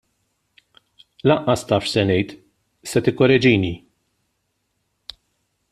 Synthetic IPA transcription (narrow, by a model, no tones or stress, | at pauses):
lɐʔːɐst̪ɐːfʃsɛnɛjt̪ | sɛt̪ɪkːɔɾɛd͡ʒiːni